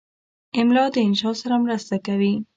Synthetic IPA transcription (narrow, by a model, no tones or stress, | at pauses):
ɪmlɑd̪əɪnʃɑsaɾamɾast̪akawi